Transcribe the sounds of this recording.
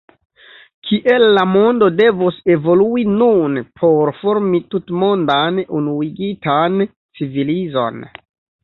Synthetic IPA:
kʰiʔe̞lːamo̞ndo̞de̞vuse̞vo̞luinunpʰo̞ɾfo̞ɾmitutmo̞ndanunuiɡitan | t͡sivilizo̞̰n

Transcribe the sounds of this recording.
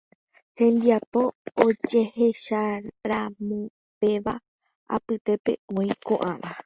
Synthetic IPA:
hẽ̞nd̪iapoːd͡ʒe̞he̞ʃaɾamũ | pe̞ʋa | a̰pɨt̪e̞pe̞̰õĩkõʔãʋa

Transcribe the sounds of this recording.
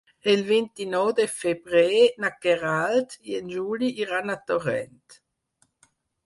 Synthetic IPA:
elvint̪inɔwd̪efebɾenakeʁalt̪jɛnd͡ʒuːliʔiʁanat̪ɔʁɛ̰nt̪

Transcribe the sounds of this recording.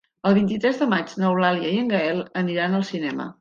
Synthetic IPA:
əlˠβint̪it̪ɾɛzðəmad͡ʒnəwlaliəiəŋɡəɛlˠəniɾanəlˠsinɛmə̰

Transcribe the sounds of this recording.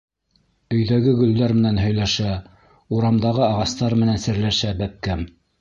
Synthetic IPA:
ɵ̆jðæɡɘɡɵ̆ld̪æɾmɘ̆nænɦɵ̆jlæʃæ | uɾɑmd̪ɑʁɤɑʁɑst̪ɑɾmɘ̆nænsɘ̆ɾlæʃæbæp̚kæm

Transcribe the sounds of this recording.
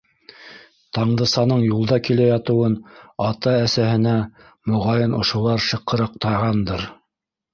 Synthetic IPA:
t̪ɑɴd̪ɤ̆sɑnɤɴjulˠd̪ɑkilæjɑt̪ɤ̆wɤnɑt̪ɑæsæhɘ̆næ | mŏʁɑjɤnŏ̰ʃŏlˠɑɾʃɤ̆qːɤ̆ɾɑq̚t̪ɑʁɑnd̪ɤɾ

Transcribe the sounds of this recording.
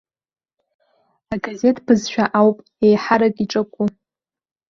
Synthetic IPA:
aɡaze̞tʼpʰɨzʃᶣaʔawpʼ | ejħaɾakʼiʈ͡ʂʼɨkʷʼu

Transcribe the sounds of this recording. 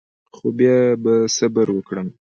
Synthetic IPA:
xobjɑbasabəɾwəkɽəm

